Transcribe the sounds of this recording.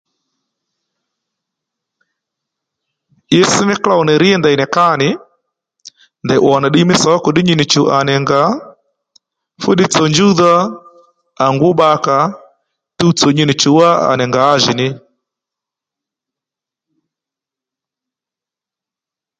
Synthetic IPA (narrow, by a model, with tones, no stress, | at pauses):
je˦sɪ˦nɪ˦kla˦˨ɔ˨nɛ˨ɾi˦ɛ˦nda˨i˨nɛ˨ka˦nɪ˨ | ndɛ˨ʔwɔ˨na˨ɗi˦mɪ˦sɔ˨˦ko˨ɗɪ˦ɲi˦nɪ˨t͡ʃu˨ʔa˨nɛ˨ŋɡa˨ | fu˦ɗi˦t͡sɔ˨ɲd͡ʒu˦ðaː˦˨ | ŋɡʊ˦ba˦ka˨ | tu˦u˦t͡sɔ˨ɲi˦nɪ˨t͡ʃu˨wa˦a̰˨nɛ˨ŋɡaː˨˦ʒi˨nɪ˦